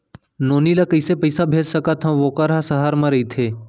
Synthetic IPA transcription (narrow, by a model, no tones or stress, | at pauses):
noːniːlakəɪsepəɪsabʱeːd͡ʒsəkat̪ʰãʋoːkaɾɦasəɦaːɾmãɾɐit̪ʰeː